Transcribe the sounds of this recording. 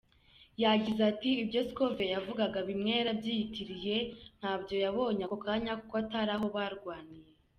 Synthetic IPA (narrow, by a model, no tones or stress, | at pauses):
jaɟizatiːbɟo̞sko̞ve̞javuɡaɡaβimŋe̞ːɾabɟiːjitiɾije̞n̥haːbjo̞jaβo̞ːɲakokaɲakokoataɾaɦo̞βaɾɡwaːnije